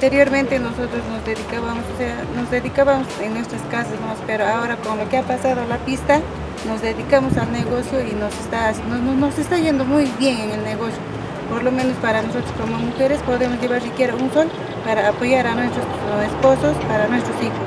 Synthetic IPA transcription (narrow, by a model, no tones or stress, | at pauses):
at̪eɾjoɾmẽnt̪enosot̪ɾosnosd̪eðikaβamososeanosd̪eðikaβamoseŋnwest̪ɾaskasasnospeɾoaoɾakonlokeapasaðolapist̪a | nosd̪eðikamosalneɣosjoinosest̪asinonnosest̪ajend̪omujbjeŋeŋelneɣosjo | poɾlomenospaɾanosot̪ɾoskomomuxeɾespoðemosjeβaɾikjeɾaunsol | paɾaːpojaɾanwest̪ɾo | esposospaɾanwest̪ɾosixo